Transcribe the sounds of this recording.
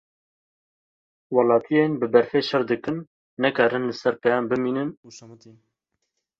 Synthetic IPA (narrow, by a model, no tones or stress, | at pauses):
wɑlɑːt̪ʰijeːnbɨbɛɾfeːʃɛɾd̪ɨkɨm | nɛkɑːɾɨnlɨsɛɾpɛjɑːmbɨmiːnɨn